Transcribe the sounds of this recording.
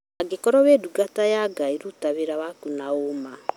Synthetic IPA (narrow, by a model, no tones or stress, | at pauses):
aɡekɔɾɔβeduɡatajaɡaiɾutaβeɾaβakunaoma